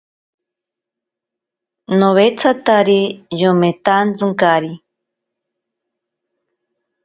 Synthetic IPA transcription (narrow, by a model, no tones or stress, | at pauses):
noβet͡sʰat̪aɾijomet̪ant͡sɨŋkaɾi